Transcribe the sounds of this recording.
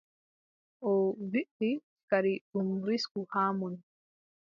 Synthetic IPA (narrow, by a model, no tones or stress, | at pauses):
ʔɔviʔi | kaɾiɗumɾiskuhaːmun